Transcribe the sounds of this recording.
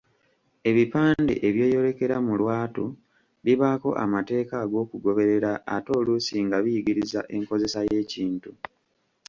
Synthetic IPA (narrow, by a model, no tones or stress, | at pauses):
e̞βipaːndḛʔeβjoːjo̞ɾe̞ke̞ɾamulwaːtu | βiβako̞̰ʔa̰mate̞ːkaɡo̞ːkuɡo̞βe̞ɾe̞ɾa̰ːto̞ːlusiŋɡaβijiɡiɾiza̰ʔe̞ŋko̞ze̞saje̞ːciːntu